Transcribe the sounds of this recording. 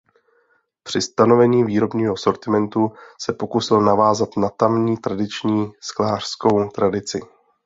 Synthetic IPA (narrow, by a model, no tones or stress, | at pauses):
pr̥ɪst̪ano̞vɛɲiːviːɾo̞bɲiːɦo̞so̞ɾt̪ɪmɛnt̪usɛpo̞kusɪlnavaːzat̪nat̪amɲiːt̪ɾadɪt͡ʃɲiːsklaːr̝̥sko̞wt̪ɾadɪt͡sɪ̰